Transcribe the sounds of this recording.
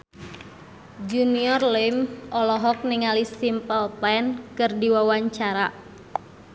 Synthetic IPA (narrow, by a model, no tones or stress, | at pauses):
d͡ʒuniɔrlɛmʔɔlɔɦɔk̚niŋalisimpəlpɛnkɨrdiwawaɲt͡ʃaɾa